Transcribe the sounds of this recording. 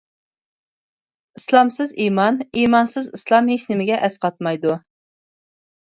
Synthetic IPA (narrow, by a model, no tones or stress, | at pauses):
islˠɑmsɨzimɑnimɑnsɨzislˠɑmɦeʃnɪmɪɡʲɛʔɛsqɑt̪̚mɑjd̪u